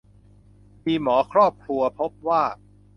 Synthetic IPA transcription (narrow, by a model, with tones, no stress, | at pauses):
miː˧mɔː˩˦kʰɾɔː˥˩p̚kʰɾu˧ɐpʰo˦˥p̚waː˥˩